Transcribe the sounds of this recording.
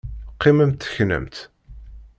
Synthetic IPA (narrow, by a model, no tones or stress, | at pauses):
qːɪməmt̪ːəçnə̰mt̪